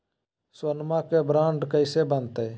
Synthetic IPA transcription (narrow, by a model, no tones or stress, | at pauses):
swənmãːkeːbɾaːɳɖkəɪseːbənt̪eː